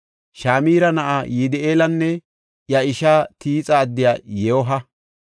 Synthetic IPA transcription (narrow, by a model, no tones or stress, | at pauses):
ʃaːmiːɾɐnɐʔaːjid̪ɛʔeːlɐnːɛ | jɐɪʃaːt̪ʰiːt͡sʼɐːd̪ːɪjaːjɛwɔɦɐ